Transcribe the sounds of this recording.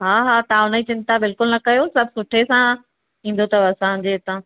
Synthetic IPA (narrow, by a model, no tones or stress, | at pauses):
ɦaːɦaːt̪ɐãʊnəit͡ɕɪ̃nt̪abɪlkʊlnɐkɐjosɐb̚ʱsʊʈʰesã | ĩːn̆d̪ot̪ɐʋɐsãʊ̃ɲd͡ʑet̪ã